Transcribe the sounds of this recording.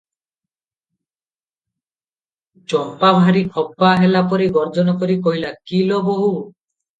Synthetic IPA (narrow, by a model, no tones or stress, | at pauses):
t͡ʃɔpːabʱaɾikʰɔpːaɦelapɔɾiɡɔɾd͡ʒɔnɔkoɾikoɦilakiloboɦu